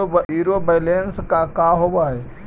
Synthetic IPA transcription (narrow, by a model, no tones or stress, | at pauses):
iɾobeɪlenskakaɦobaɛ